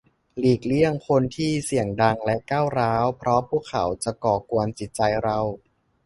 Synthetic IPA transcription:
liː˨˩k̚li˥˩əŋkʰo˧nt̪ʰiː˥˩si˨˩əŋda˧ŋlɛ˦˥kaː˥˩wɾaː˦˥wpʰɾɔ˦˥pʰuː˥˩kʰa̰˩˦wt͡ɕa˨˩kɔː˨˩ku˧ənt͡ɕi˨˩t̪̚t͡ɕa˧jɾa˧w

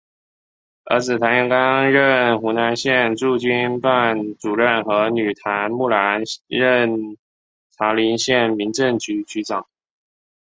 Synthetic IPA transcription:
ə̰˞˧˥t͡sɹ̩˨˩t̪ʰa˧˥nɛ˥˩ŋka˥ɻə˥˧˩nxu˧˥na˧˥nɕjɛ˥˧nʈ͡ʂu˥˩t͡ɕy˥npa˥˩nt͡su˨˩ɻə˥˩nxɤ˧˥ny˨˩t̪ʰa˧˥nmu˥˩la˧˥nɻə˥˧˩n | t̪ʰa˧˥li˧˥nɕjɛ˥˩nmi˧˥nʈ͡ʂə˥˩ŋt͡ɕy˧˥t͡ɕy˧˥ʈ͡ʂɑ˨˩˦ŋ

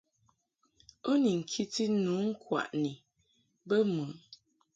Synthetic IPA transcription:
o˦ni˨ŋ̩˨kʰi˦ti˦nu˨˦ŋ̩˦kwa̰˨ʔni˨ | bə˦mɨ˨˦

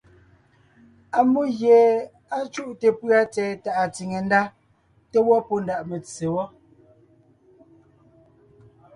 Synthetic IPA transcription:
a˨mu˦ɣje˨ | a˦t͡ʃu˦ʔte˨pɰa˦t͡sɛː˨ta˨ʔa˨t͡si˨ŋe˨n˦da˦ | te˦wɔ˦po˦nda˨ʔme˨t͡sːe˨wɔ˦

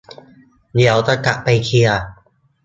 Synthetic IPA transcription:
ni˩˦wt̪a˧ka˨˩ʔpa˧jkʰi˧ɐ

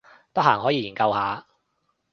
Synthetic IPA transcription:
t̪ɐ˥k̚ɦhaː˨˩ŋɦɔː˨˥jiː˧jiː˨˩nkɐ˧whaː˨˧˥

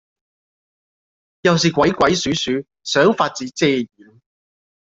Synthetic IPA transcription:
jɐ˨wsiː˨kʷwɐ˨˥jkʷɐ˨˥jsyː˨˥syː˨˥ | sœː˨˥ŋfaː˧t̚t͡siː˨˥t͡sɛː˧jiː˨˥n

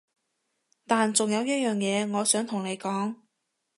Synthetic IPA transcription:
t̪aː˨nt͡sʊ˨ŋjɐ˨˧wjɐ˥t̚jœː˨ŋjɛː˨˧ŋɔː˨˧sœː˨˥ŋt̪ʰʊ˨˩ŋne˨˧jkɔː˨˥ŋ

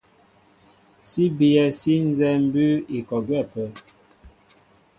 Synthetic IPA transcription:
si˦bi˨ɛ˨si˦n˦zɛ˦m̩˦bʉ˦i˨kɔ˨ɡwɛ˦˨pə˨˦

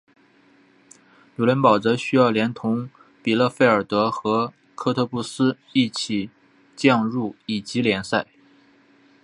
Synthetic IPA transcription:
jo˨˩ljə˧˥npɑ˨˩ʊt͡sɤ˧˥ɕy˥jɑ˥˩ʊljɛ˧˥nt̪ʰʊ˧˥ŋ | pi˨˩lɤ˥˧fe˥˩ɪə˞˨˩t̪ɤ˧˥xɤ˧˥ | kʰɤ˥t̪ʰɤ˥˧pu˥˩sɹ̩˥ | i˥˩t͡ɕʰi˨˩ | t͡ɕjɑ˥˧ŋɻu˥˩i˨˩t͡ɕi˧˥ljɛ˧˥nsa˥˩ɪ

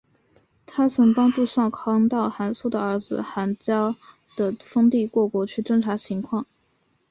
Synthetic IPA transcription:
t̪ʰa˥sʰə˧˥ŋpɑ˥ŋʈ͡ʂu˥˧swɑ˥˩nkʰɑ˥ŋt̪ɑ˥˩ʊxa˧˥nsu˥˩d̪ə˩ə˞˧˥d͡zɹ̩˧xa˧˥nt͡ɕjɑ˥ʊ | d̪̥ə˩fɤ˥ŋt̪i˥˧kwɔ˥˩kwɔ˧˥t͡ɕʰy˥˩ʈ͡ʂɤ˥ŋʈ͡ʂʰa˧˥t͡ɕʰi˧˥ŋkʰwɑ˥˩ŋ

